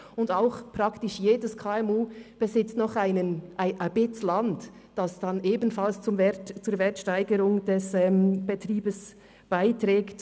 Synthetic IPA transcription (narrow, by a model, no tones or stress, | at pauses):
ʊndaʊxpʁ̥ɑktɪʃjeːdəskʰaːɛmuːb̥ɛzɪt͡stnɔχaɪnənʔaɪnʔab̥ɪt͡slɑnt | d̥ɑsd̥ɑnʔeːbn̩fɑlst͡sʊmvɛtt͡suːɾvɛɾtʃtaɪɡəɾʊŋd̥ɛsɛːmb̥etriːbəs | b̥aɪtɾɛːkt